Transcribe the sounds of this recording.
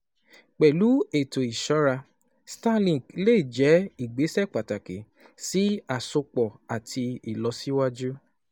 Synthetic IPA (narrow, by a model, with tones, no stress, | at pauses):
k͡pɛ˨lu˨˦e˨to˨i˨ʃɔ˨˦ɾa˧ | sta˦˨lĩ˨leː˦˨d͡ʒɛ˨˦i˨ɡ͡be˨˦sɛ˦˨k͡pa˨ta˨ke˨ | si˦a˨so˧k͡pɔ˨a˨tʰi˧i˨lɔ˧˦si˦wa˦d͡ʒu˦